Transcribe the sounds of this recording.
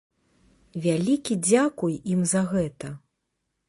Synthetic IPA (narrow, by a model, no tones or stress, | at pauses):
vʲalʲikʲid͡zʲakujimzɐɣɛt̪ɐ